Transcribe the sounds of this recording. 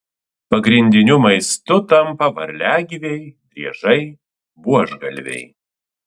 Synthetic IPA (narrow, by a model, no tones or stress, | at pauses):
pɐɡɾʲɪnʲd̪ʲɪnʲʊmɐɪst̪ʊt̪ɐmpɐʋɐ̰ɾʲlʲæːɡʲɪʋʲɛjd̪ʲɾʲiɛʒɐɪ | buɔʒɡɐlʲʋʲɛ̰j